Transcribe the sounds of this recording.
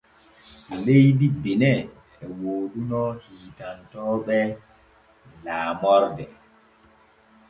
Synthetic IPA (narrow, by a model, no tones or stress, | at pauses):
lejdibinɛ | ɛwoːɗunɔhiːtantɔːɓɛ | laːmɔɾdɛ